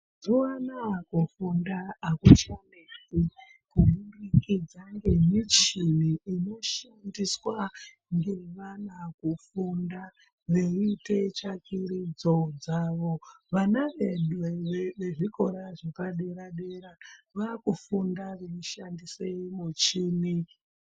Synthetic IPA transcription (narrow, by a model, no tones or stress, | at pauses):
zowanakufundaːkut͡ʃanisi | kuɓunikid͡zaŋɡemit͡ʃiniino̞ʃandiswa | ŋɡerʋanakufunda | ʋeite̞t͡ʃakʰirid͡zo̞d͡zaːʋo̞ʋanaʋeɗweʋeʋe̞ʐiko̞ɾaʐepaɗeɾaɗeɾaʋakufundaʋenoʃandiseimut͡ʃini